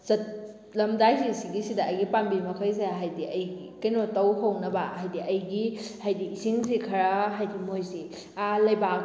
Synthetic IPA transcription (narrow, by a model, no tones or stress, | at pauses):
zɐt̚ | lɐmdajsisiɡisidɐːjɡipambimɐkʰɐjs̬eɦajdiʔɐjɡikɐjnɔtɐwɦɐwnɐbaɦajdiʔɐjɡihajdiːsiŋsikʰɐɾaɦajdimojsi | alɐjbak